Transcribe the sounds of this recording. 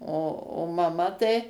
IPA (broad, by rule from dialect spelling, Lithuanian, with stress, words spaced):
oː oː mɐˈmɐ tɐɪ